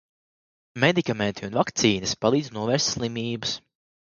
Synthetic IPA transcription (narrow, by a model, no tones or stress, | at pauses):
med̪ikament̪ʰiunvakt̪siːnɐspalˠiːd̪znuɔvɛɾst̪ʲslˠimʲiːbu̥s